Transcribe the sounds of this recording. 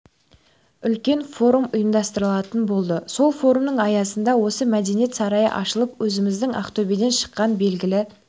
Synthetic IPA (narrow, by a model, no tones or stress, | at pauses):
ʏlkʲe̞nfo̞ɾumʊjəmd̪ɑst̪əɾəlˠɑt̪ənbo̞lˠd̪əso̞lˠfo̞ɾumnəɴɑjɑsənd̪ɑwo̞səmæd̪e̞nije̞t̪sɑɾɑjə̰ʔɑʃəlˠəpwɵzɪmɪzd̪ɪŋʔɑ̰qt̪obed̪e̞nʃə̥qːɑnbe̞lɡʲɪlɪ